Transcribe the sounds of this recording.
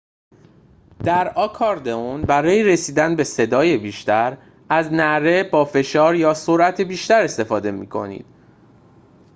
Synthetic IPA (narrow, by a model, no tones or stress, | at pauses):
d̪̥æɾɒːkʰɒɾd̪eunbæɾɒːjeɾe̞siːd̪ænbe̞se̞d̪ɒːje̞biːʃt̪æɾ | æznæɾe̞bɒːfe̞ʃɒːɾjɒːso̞ɾʔæt̪ʰebiːʃt̪æɾe̞st̪e̞fɒːd̪e̞mḭːkʰo̞̰nḭːd̪̥̚